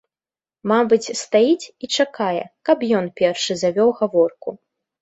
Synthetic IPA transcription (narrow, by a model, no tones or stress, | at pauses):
mabɨt͡sʲst̪ajit͡sʲit͡ʂakajɛ̰kapjɔnpʲɛrʂɨzavʲɔwɣavɔrku